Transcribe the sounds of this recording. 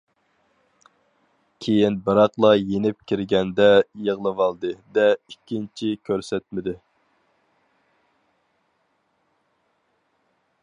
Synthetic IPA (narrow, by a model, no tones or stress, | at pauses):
kʲʰejinbɨɾɑqlˠɑjenɪp̚kʲʰiɾɡʲɛnd̪ɛjəʁlˠɨvɑlˠd̪ɨd̪ɛikʲːint͡ʃʰikʲʰøɾsɛt̪̚mɪd̪ɪ